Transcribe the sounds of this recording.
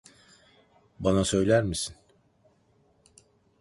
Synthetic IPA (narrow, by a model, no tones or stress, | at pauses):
banasø̞jlʲæɾmisin